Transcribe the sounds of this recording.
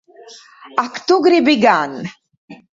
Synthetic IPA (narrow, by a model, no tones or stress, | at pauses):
akt̪uɡɾibiɡan